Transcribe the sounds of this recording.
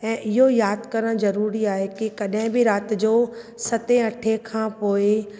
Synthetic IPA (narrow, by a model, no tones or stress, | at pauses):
ɛ̃ːʔɪɦojaːd̪kɐɾəɽ̃zɐɾuːɾiaːɦekɪkɐɗɦɪ̃bɪɾaːt̪̆d͡ʑoːsɐt̪eɐʈʰekʰãːpoːe